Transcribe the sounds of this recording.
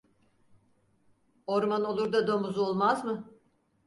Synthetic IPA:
oɾmano̞lˠuɾd̪ad̪omuzuo̞lˠmazmɯ

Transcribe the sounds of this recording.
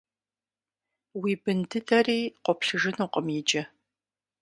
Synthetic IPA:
wiːbɨndɨdɐriːqʷɔpɬɨʒɪnuqʼəmjɪd͡ʒɐ

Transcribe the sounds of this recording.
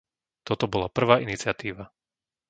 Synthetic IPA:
t̪ɔt̪ɔbɔlapr̩ʋaːinit͡sɪat̪iːʋa

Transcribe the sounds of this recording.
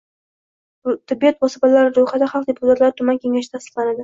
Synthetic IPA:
t̪ʰɪbːijɒt̪vɒsɪpalaɾɪɾojχad̪aχɑlˠqd̪epʰʊt̪ʰat̪laɾɪt̪ʰʊmankʲʰe̞ŋaʃɪt̪ʰasɪ̥qlˠanad̪ɪ

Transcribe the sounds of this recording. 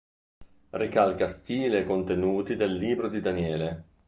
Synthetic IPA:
rikalkast̪iːleekont̪enuːt̪id̪elːiːbɾod̪id̪anjɛːle

